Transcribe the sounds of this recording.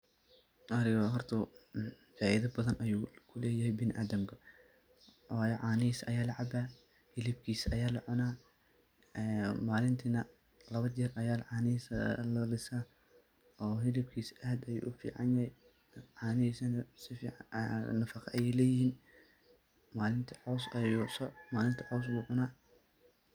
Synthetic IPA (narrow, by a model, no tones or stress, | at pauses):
ʔɐɾɪɣɔɦɔrt̪ʰɐ | faːʔɪðɐbɐðɐnʔɐjuːkʰʊlɛːjɐɦɛjbɪnɪʔaːd̪ɐmkʰɐ | jɛʕɑːnɪiːsʔɐ̰jaːlɐʕɑbaː | hɪlɪb̚kʰiːsʔɐjaːlɐʕʊnaː | ɛːmaːlɪnt̪ʰinɐ | lɐβɐɛrɐjaːlʕɑːnɪslɐlɪsaː | ɔːɦɪlɪb̚kʰiːsahd̪ɐjṵːʔʊfḭːʕɑ̰njɐhɛj | ʕɑːnɪiːsɐnɐsɪfḭːʕnɐfɐqʰɐɐjɛjlɛːjɪhiːn | maːlɪnt̪ʰɐ̥ʕɔwsɐjusɔmaːlɪnt̪ʰɐ̥ʕɔws̬buːʕʊnaː